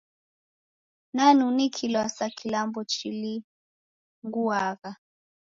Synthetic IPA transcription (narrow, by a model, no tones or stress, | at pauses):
nanunikʰilwasakʰilambɔt͡ʃili | ŋɡuaɣa